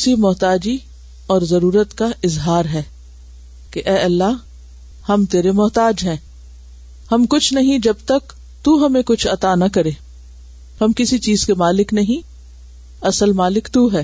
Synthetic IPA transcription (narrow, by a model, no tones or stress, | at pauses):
simʊɦt̪aːd͡ʒi | ɔːɾzɐɾuːɾət̪kaʔɪzɦaːɾɦɛː | keʔɛːɐlːaɦ | hɐmt̪eːɾemʊɦt̪aːd͡ʒɦɛ̃ː | hɐmkʊt͡ʃʰnɐɦĩd͡ʒɐb̚t̪ɐk | t̪uɦɐmẽkʊt͡ʃʰɐt̪anɐkɐɾeː | hɐmkɪsit͡ʃiːzkemaːlɪknɐɦĩ | ɐsəlmaːlɪkt̪uɦɛː